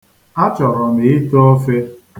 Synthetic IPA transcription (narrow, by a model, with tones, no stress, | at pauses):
a˦t͡ʃɔ˨ɾɔ˨me˨ɪ˦tɔ˦fe˦